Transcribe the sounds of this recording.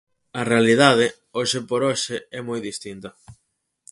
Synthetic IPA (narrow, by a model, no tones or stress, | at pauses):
ɐrealið̞að̞ɪ | oʃɪpoɾoʃɪɛmojðist̪int̪ɐ